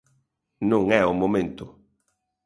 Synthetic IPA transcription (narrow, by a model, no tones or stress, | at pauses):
nõŋɛʊmomẽnt̪ʊ